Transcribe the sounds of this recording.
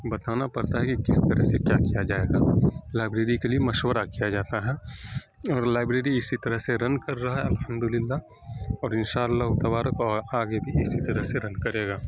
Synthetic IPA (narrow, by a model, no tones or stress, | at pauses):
bɐt̪aːnapɐɾt̪aɦɛkikɪst̪ɐɾəɦsekjaːkijad͡ʒaːeːɡaːlaːɪbɾeːɾikeliemɐʃwəɾakijad͡ʒaːt̪aɦɛ | ɔːɾlaːɪbɾeːɾiɪsit̪ɐɾəɦseɾɐnkɐɾːɐɦaɦɛɐlhəmd̪ʊlɪlːa | ɔːɾɪnʃaːəlːaɦʊt̪ɐbaːɾəkɔaːɡebʱiɪsit̪ɐɾəɦseɾɐnkɐɾeːɡaː